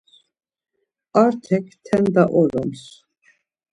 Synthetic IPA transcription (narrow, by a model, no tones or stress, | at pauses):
aɾt̪ʰɛkʰt̪ʰɛnd̪aʔɔɾɔms